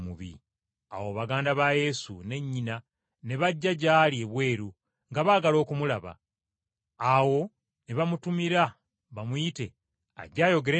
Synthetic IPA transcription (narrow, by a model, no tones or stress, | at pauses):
muβḭ | a̰wo̞βaɡaːndaβaje̞sṵne̞ɲːina | ne̞βaɟːaɟaːlie̞βwe̞ːɾu | ŋɡaβaːɡalo̞ːkumulaβa̰ː | wo̞ | neβamutumiɾa | βamuite̞ | a̰ɟaːjo̞ɡe̞ɾe